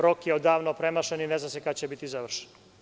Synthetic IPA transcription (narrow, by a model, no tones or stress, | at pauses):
ɾokjeod̪aːʋnopɾemaʃenineznamsekat͡ɕebit̪izaʋr̩ʃe̥n